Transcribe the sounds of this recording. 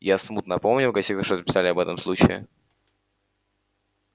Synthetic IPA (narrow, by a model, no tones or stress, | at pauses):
jasmut̪nɐpo̞mnʲɪlˠkɐsʲikt̪əʂt̪ot̪əpʲɪ̥salʲɪɐbɛt̪əmslˠut͡ɕɪɪ̰